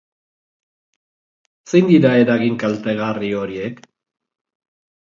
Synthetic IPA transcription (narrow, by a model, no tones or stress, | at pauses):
sejnd̪iɾae̞ɾaɣiŋkalt̪e̞ɣario̞ɾiek